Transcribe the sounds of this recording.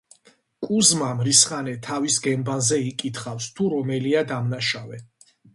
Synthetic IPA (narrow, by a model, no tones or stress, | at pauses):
kʼuzmamɾisχanɛt̪ʰavisɡɛmbanzɛikʼit̪ʰχafst̪ʰuɾɔmɛliad̪amnaʃavɛ